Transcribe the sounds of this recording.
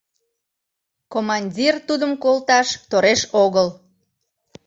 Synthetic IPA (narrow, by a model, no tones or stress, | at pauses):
komɑnʲdʲirt̪ud̪əmkolt̪ɑʃt̪oɾeʃoɣəl